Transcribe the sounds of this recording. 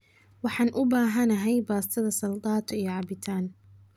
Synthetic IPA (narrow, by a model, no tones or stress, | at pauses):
wɑħɑːnʔʊbaːɦɐnɐɦɛjbaːst̪ʰɐðɐsɐlt̪ɑːt̪ʰijɞʕɑbɪt̪ʰaːn